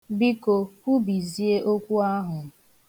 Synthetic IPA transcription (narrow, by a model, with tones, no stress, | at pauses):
bi˦ko˨kʷu˦bi˨zi˦e˦ʔo˦kʷu˦a˦ɦʊ˨˦